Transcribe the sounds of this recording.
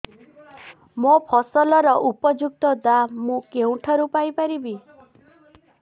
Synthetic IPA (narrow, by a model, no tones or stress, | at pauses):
mopʰɔsɔlɔɾɔʔupɔd͡ʒuk̚t̪ɔd̪amũkeũʈʰɔɾupajpaɾibi